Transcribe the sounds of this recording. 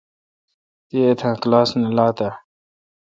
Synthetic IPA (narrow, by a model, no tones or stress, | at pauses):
t̪iet̪ʰãːklaːsnəlaːt̪a